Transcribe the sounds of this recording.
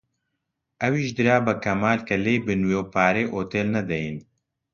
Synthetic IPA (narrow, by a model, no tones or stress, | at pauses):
ʔɐwiːʃd̪ɨɾaːbɐkɐmaːlkɐleːbɨnweːwpaːɾeːʔoːt̪eːlnɐd̪ɛjin